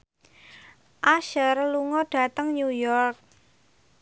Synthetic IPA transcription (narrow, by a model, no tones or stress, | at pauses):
ʔaʃərluŋɔɖ̥ä̤t̪əŋɲujɔrk̚